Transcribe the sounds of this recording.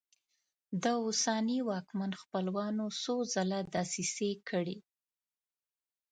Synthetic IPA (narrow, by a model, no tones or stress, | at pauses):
d̪əʊsaniwɑkmanxpəlwɑnosozalad̪ɑsisekʰəɽi